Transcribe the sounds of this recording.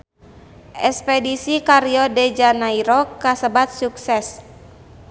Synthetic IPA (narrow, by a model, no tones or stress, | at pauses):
ʔɛspɛdisikaɾiɔdɛd͡ʒanaiɾɔkasəbat̪̚suksɛs